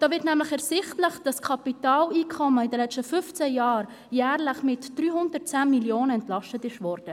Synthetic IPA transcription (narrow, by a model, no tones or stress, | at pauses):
d̥ɑːʋɪtnæmləχɛɾsɪχtləχd̥ɑskʰɑpitɑːliːkʰɔməɪdəlɛt͡stəfʏft͡sɛjɑːɾ | jæːɾləχmɪtd̥ryːhʊndərt̚t͡sæːnmiljoːnəɛntlɑʃtətɪʃvɔrd̥ə